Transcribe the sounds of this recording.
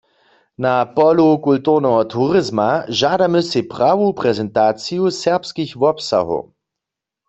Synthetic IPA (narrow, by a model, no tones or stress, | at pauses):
napɔlukult̪uʁnɛɦɔt̪ʰuʁɪzmaʒadamɨsipʁawupʁɛzɛnt̪aːt͡sijusɛʁpskixvɔpsa̰ɦo̰